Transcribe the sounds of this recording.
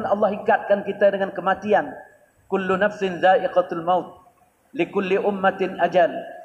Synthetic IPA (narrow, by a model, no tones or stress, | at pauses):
nɑlːɑɦikat̪̚kankit̪adəŋankəmat̪ian | kʊlːunafsɪnzaːʔɪqaalmawt̪̚ | lɪkʊlːiʔʊmːat̪ɪnʔad͡ʒal